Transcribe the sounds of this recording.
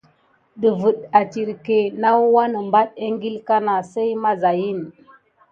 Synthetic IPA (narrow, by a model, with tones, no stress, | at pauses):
ɗə˨və˨ɗa˨ti˨ɾke˨na˦wwa˦nə˨mba˦ɗe˦ŋɡi˦lka˦na˨se˦jma˦za˨ji˦n